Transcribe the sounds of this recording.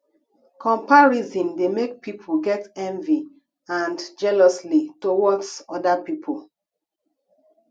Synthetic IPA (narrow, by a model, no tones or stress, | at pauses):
kʰɔ̃mpaɹizĩndemek̚pipʰolɡɛtɛ̃ɱvi | ãndd͡ʒɛlɔslitowɔksɔdapipʰol